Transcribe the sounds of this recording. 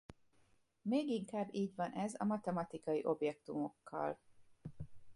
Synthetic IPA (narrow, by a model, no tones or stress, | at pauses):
meːɡiŋkaːbːiːɟvɒnʔɛzɒ̰mɒt̪ɛmɒt̪ikɒjiʔo̞bjɛk̚t̪umo̞kːɒ̰l